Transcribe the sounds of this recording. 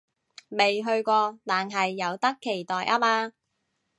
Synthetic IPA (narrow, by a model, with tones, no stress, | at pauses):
me˨jɦɵ˧ɥkʷɔː˧t̪aː˨nɦɐ˨jːɐ˨˧wt̪ɐ˥kʰːe˨˩jt̪ɔː˨jʔɐː˥maː˧